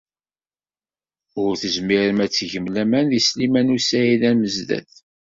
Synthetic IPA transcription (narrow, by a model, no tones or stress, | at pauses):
ʊɾθəzmiɾəmæt͡sːʝəmlæmænðislimænusæilæməzðæ̰θ